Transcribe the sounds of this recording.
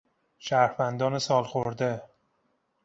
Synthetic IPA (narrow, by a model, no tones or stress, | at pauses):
ʃæɾhvænd̪ɒnɪsɒlˠχoɾd̪e